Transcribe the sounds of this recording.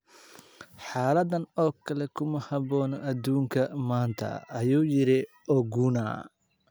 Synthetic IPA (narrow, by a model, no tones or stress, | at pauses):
ħaːlɐd̪ɐnɔːkʰɐlɛkʰʊmɐhɑbɔːnɔʔɐd̪uːŋkʰɐmaːnt̪ʰɐ̰ːjuːjɪɾɪ | ʔɔɡuna̰ː